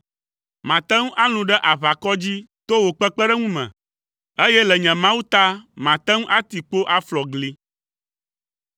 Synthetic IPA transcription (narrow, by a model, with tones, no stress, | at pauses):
mã˨t̪ɛ˦ŋ˦ʔa˦lũ˨ɖɛ˦ʔa˨βa˨kɔ˦d͡ʑi˦ | t̪o˦wo˨k͡pɛ˦k͡pɛ˦ɖɛ˦ŋũ˦mɛ̰̃˨ | e˦jɛ˦lɛ˨ɲɛ̃˨mã˦wu˦t̪a˦mã˨t̪ɛ˦ŋ̃˦ʔa˦t̪i˨k͡po˦ʔa˦flɔ˨ɡli˦